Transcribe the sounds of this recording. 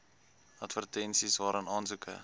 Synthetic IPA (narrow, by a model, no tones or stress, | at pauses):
ɐtvərtɛnsisvɑːɾənɑːnsukʰə̰